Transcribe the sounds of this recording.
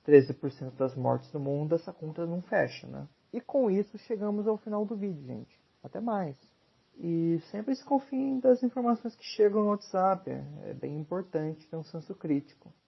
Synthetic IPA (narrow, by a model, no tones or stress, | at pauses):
t̪ɾezɪpoɾsẽnt̪ʊd̪ɐzmɔ̰ɾt͡ʃɪzd̪ʊmũnd̪ʊɛsɐkõnt̪ɐnɐ̃w̃fɛ̰ʃɐ̰nɛ̰̃ | ɪkõw̃isʊʃeɡɐ̃mʊzawfinawd̪ʊvid͡ʒɪʊʒḛ̃nt͡ʃɪ̥ | at̪ɛmajs | ɪsẽmpɾɪsɪ̥kõfĩẽd̪ɐzĩfoɾmasõj̃skɪ̥ʃeɡɐ̃w̃nʊat̪zapḛɛ̰bḛ̃j̃ĩmpoɾt̪ɐ̃nt͡ʃɪ̥t̪eɾũsẽsʊkɾit͡ʃi̥kʊ